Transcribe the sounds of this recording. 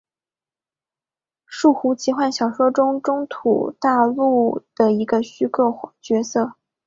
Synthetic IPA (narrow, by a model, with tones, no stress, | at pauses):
ʂu˥˩xu˧˥t͡ɕʰi˧˥xwa˥˩nɕjɑ˨˩ʊʂwɔ˥ʈ͡ʂʊ˥ŋʈ͡ʂʊ˥ŋt̪ʰṵ˨˩t̪a˥˧lu˥˩d̪̥ə˨˩i˧˥ɡə˧ɕy˥kɤ˥˩t͡ɕɥɛ˧˥sɤ˥˩